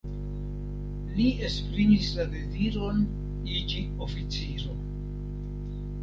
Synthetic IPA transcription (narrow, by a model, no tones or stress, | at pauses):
lie̞spɾimislade̞ziɾo̞n | id͡ʒi | ofit͡siɾo̞